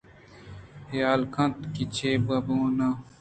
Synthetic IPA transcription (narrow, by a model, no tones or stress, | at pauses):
hjaːlkʰɐ̃nt̪kit͡ɕʰeːbɐbõːna